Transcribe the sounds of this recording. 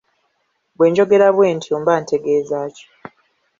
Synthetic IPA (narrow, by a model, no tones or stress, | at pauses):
bwe̞ːɲd͡ʒo̞ɡe̞ɾaβweːntʰioːmbaːntʰe̞ɡe̞ːzaːco̥